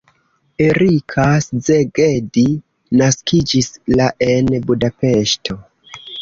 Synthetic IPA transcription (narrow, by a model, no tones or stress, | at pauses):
eɾikʰaszeɡedi | naskʰid͡ʒislaʔenbudape̞ʃtʰo̞